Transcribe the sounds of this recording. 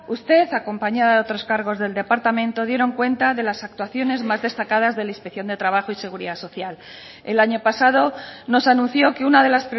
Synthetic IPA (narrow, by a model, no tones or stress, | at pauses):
ust̪e̞θako̞mpaɲaðaðeo̞t̪ɾo̞skaɾɣ̞o̞zðe̞ld̪e̞paɾt̪amẽ̞nt̪o̞ðje̞ɾo̞ŋkwe̞nt̪aðe̞lasak̚t̪waθjo̞ne̞zmazðe̞st̪akaðazðe̞lainspekθjo̞nd̪e̞t̪ɾaβ̞aχoise̞ɣ̞uɾiðaso̞θjal | elaɲo̞pasað̞o̞no̞sanũn̟θjo̞keunaðe̞laspɾe